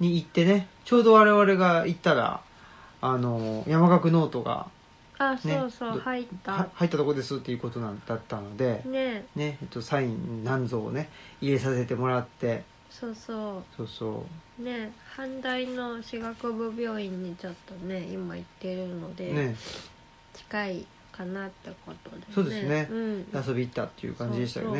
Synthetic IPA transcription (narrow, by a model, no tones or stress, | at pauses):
ɲ̟iit̪ːe̞ne̞t͡ɕo̞ːd̪o̞β̞aɾe̞βaɾe̞ɡait̪ːaɾa̰ː | no̞jamaɡakɯ̟no̞ːt̪o̞ɡa̰ | asneoːsodhait̪ːahait̪ːat̪o̞kod̪e̞sɨt̪ːe̞jɯ̟ko̞t̪o̞nãnd̪at̪ːano̞d̪e̞nene̞et̪ːo̞saĩnnãnd͡zo̞̰ːne̞iɾe̞sase̞t̪e̞mo̞ɾat̪ːe̞ | so̞ːsoːso̞ːso̰ːne̞hãnd̪aino̞ɕiɡakɯ̟bɯ̟bʲjo̞ːĩɲ̟ːit͡ɕo̞t̪ːo̞ne̞imait̪ːe̞ɾɯ̟no̞d̪e̞ne | t͡ɕi̥kai | kanat̪ːe̞ko̞t̪o̞d̪esoːd̪ensɨne̞ɯ̟̃ɴaso̞bʲiit̪ːat̪ːejɯ̰kãɲd͡ʑid̪e̞ɕit̪a̰ka̰ne